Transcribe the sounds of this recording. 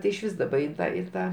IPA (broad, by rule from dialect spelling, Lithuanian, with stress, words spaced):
tʲɪ ɪʃʲˈʋʲiːs ˈdɑːbɐ ɪn ˈtɑː ɪ ˈtɑː